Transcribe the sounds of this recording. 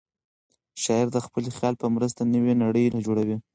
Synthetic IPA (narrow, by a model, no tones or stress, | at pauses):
ʃɑɪɾd̪əxpəlixjɑlpəmɾəst̪anəwenaɽəjlad͡ʒoɽawi